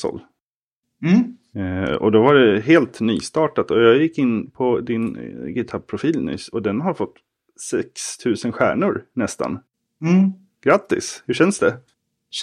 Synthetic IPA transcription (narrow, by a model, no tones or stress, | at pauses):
ɔ̰l̩ | ɔ̰d̪ɔvaɖɛɦeːlt̪ny̰ːst̪ɑːʈat̪ɔjɑːɡjɪkːɪnːpʰɔd̪ɪnɡɪt̪ʰab̚pʰɾʊfiːlnʏ̰sɔd̪ɛnɦaɾfɔt̪ː | sɛkst̪ʰʉ̟ːsənɧæ̰ːɳʊɾnɛst̪a̰n̩ | ɡ̥ɾat̪ːɪ̰shɵʂɛnsd̪ɛ